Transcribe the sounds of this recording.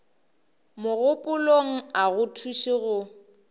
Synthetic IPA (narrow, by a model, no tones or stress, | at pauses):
mʊɣʊpʼʊloŋ̩aɣʊtʰuʃɪɣʊ